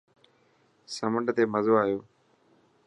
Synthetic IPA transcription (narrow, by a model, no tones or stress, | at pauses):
səməɳɖt̪eːməzoːaːjoː